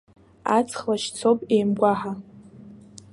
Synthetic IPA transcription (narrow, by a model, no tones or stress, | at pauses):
at͡sʰʼχlaʃt͡sʰowpʼejmɡʷaħa